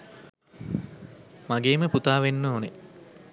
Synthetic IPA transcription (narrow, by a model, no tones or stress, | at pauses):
maɡeːməput̪aːʋenːoːne